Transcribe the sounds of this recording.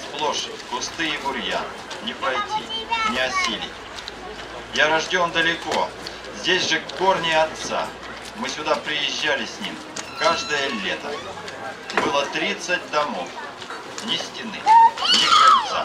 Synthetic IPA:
splˠoʂ | kʊst̪ɨibʊrʲja̰n | nʲɪpɐjtʲḭnʲɪɐsʲilʲɪ̰tʲ | jaɾɐʐdʲo̞nd̪əlʲɪko | zʲdʲesʲʐɨkːornʲɪɐt̪sa̰ | mɨsʲʊd̪apɾʲɪjɪʑːalʲɪsʲnʲḭm | kaʐd̪əjəlʲet̪ə | bɨlˠət̪ɾʲit̪sɨt̚ʲd̪ɐmo̞f | nʲɪsʲtʲɪnɨ̰nʲɪkaɐt̪sa̰

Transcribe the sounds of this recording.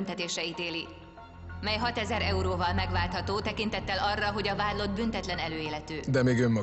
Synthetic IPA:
nt̪ɛt̪eːʃɛit̪eːli | mɛjɦɒt̪ɛzɛɾɛuɾoːvɒlmɛɡʋaːlt̪hɒt̪oːt̪ɛkint̪ɛt̪ːɛlɒrːɒɦo̞ɟɒvaːd̪lo̞d̪̚bynt̪ɛt̪lɛnɛløːeːlɛt̪øːd̪ɛmeːɡømmɒ

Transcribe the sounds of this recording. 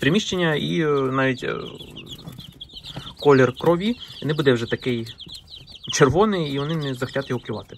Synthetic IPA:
pɾɪmʲiʃt͡ʃenʲːɐinɑʋʲitʲ | kɔlʲerkɾɔʋʲiɔnɪbud̪ɛwʒɛt̪ɐkɪj | t͡ʃerʋɔnɪjiʋɔnɪnɛzɐxɐ̥tʲat̪jɔɦɔpkʲlʲʊʋɑ̰t̪ɪ̥

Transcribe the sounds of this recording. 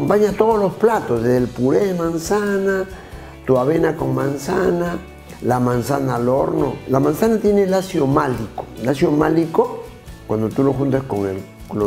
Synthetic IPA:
mpaɲat̪oðozlosplat̪ozðeelpuɾeðemansana | t̪uaβenakoŋmansana | lamansanaloɾno̰lamansanat̪jenelasjomaliko̥lasjomaliko | kwand̪ot̪uloxunt̪eskoŋḛl | lo

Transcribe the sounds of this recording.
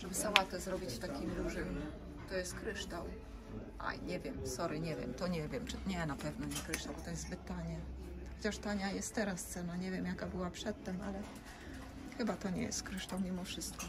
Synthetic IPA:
ʐ̥ɛbɘsawat̪ɛzɾɔbʲit͡ɕft̪akʲimd̪uʐɘm | t̪ɔjɛst̪̚kɾɘʂt̪aw | ʔa̰jɲɛvʲjɛmsɔɾɘɲɛvʲjɛ̰mt̪ɔɲɛvʲjɛmt͡ʂɘɲɛnapɛvnɔɲɛkɾɘʂt̪awbɔt̪ɔjɛzzbɘt̪ːaɲɛxɔt͡ɕaʂt̪aɲajɛst̪ːɛɾast̪sɛnaɲɛvʲjɛmjakabɘwapʂɛt̪ːɛma̰lɛ | xɘbat̪ɔɲɛ̰jɛ̰st̪kɾɘʂt̪awmʲimɔfʂɘst̪kɔ

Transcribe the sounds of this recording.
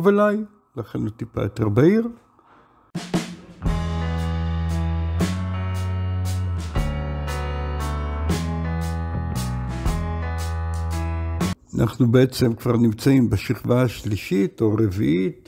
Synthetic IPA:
velaj | laχenlotipa̰jot̪eʁbaiʁ | anʔa̰χnubeet͡se̞mkv̥aʁnimt͡saimbeʃiχvaaʃliʃitoʁevḭʔit

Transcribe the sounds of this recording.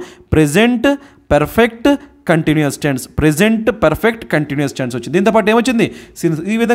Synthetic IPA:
pɾed͡ʒeɳʈ | pɐɾpʰek̚ʈkɐɳʈinujɐsːʈaːɳɖspɾezeɳʈpɐɾpʰek̚ʈkɐɳʈinjɐsːʈaːɳɖsot͡ʃːnd̪iːnt̪op̬aːʈ̬eːmot͡ʃːind̪isiniːʋid̪ʱɐ

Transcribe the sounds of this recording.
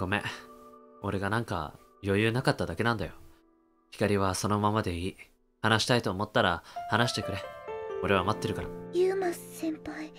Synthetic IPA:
ɡ̥o̞me̞̰ | o̞ɾe̞ɡanãŋka̰ | jo̞jɯ̟ːnakat̪ːad̪ake̞nãnd̪ajo̞ | çi̥kaɾʲiβaso̞no̞mamad̪e̞iː | hanaɕi̥t̪ait̪o̞ːmo̞t̪ːaɾahanaɕi̥t̪e̞kɯ̟ɾe̞o̞ɾe̞β̞amat̪ːe̞ɾɯ̟kaɾajɨmastsĩmpaj

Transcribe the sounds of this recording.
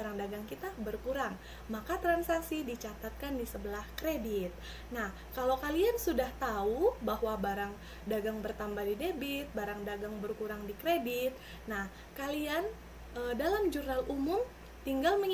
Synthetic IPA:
aɾaŋdaɡaŋkit̪abərkuɾaŋ | makat̪ɾansasidit͡ʃat̪at̪̚kandisəbəlahkɾedɪt̪̚ | nah | kalowkaliansudaht̪aubaɦwabaɾaŋ | daɡaŋbərt̪ambadidebɪt̪̚baɾaŋdaɡaŋbərkuɾaŋdikɾedit̪̚ | nah | kalian | ədalamd͡ʒurnalumʊm | t̪iŋɡalməŋ

